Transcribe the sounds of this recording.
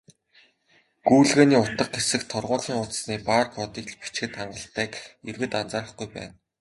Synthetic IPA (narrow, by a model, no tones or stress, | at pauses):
ɡuːɮɣeːniːʊt̪ə̆q̚ɡesɘ̆kt̪ʰɔrʁʊːɮiːŋʊt̪sniːpaːrkɔt̪iːkɮpi̥t͡ɕxɘ̆t̪χaɴɢə̆ɬt̪æːkerɣɘ̆t̪ant͡saːɾə̆χɡujpæ̰ːn